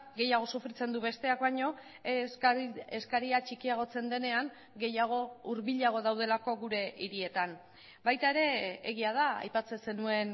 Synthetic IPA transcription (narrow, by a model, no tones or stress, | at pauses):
ɡe̞jaɣ̞o̞sufɾit͡se̞nd̪uβe̞st̪e̞akβaɲo̞ | eskaɾiat͡ʃikiaɣ̞o̞t͡se̞nd̪e̞ne̞aŋ | ɡe̞jaɣ̞o̞uɾβiʎaɣ̞o̞ð̞awð̞e̞lako̞ɣuɾe̞iɾie̞t̪an | bajt̪ae̞ɾe̞ːɣiað̞aa̰jpat͡se̞se̞nue̞n